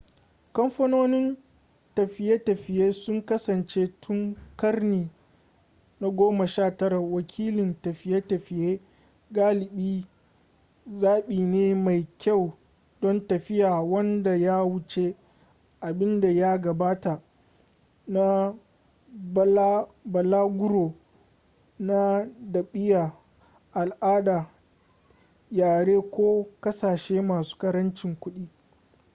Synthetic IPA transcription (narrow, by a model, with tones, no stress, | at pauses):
kɐ˦mɸɐ˦noː˦nɪ˦n | tɐ˨ɸɪ˨˦je˦tɐ˨ɸɪ˨jeː˦sʊ˦ŋkɐ˦sɐ˨nt͡ʃe˦tʰʊ˦ŋkɐ˦rniː˨ | na˦ɡʷoː˦ma˨ʃaː˦˨tɐ˦ɾa˨wɐ˨kʲʰiː˦lɪ˨ntɐ˨ɸɪ˦jeː˦tɐ˨ɸɪ˨jeː˦ | ɡaː˦lɪ˨ɓiː˦ | zaː˦ɓiː˨neː˦ma˨jkʲa˦˨w | dɔ˦ntɐ˨ɸɪ˦jaː˨wɐ˦nda˨jaː˦wʊ˦t͡ʃe˦ | ʔa˨bɪ˦nda˨ja˦ɡɐ˨baː˦ta˨ | na˦ | bɐ˨laː˦ɡʷʊ˦ɽoː˨ | na˦dɐ˨ɓɪ˦jaː˨ | ʔa˨lʔaː˦daː˨ | jaː˨ɽeː˦kʷoː˦kɐ˦saː˨ʃeː˦maː˨su̥ː˦kɐ˦ɾɐ˦nt͡ʃɪ˨ŋkʷʊ˦ɗiː˦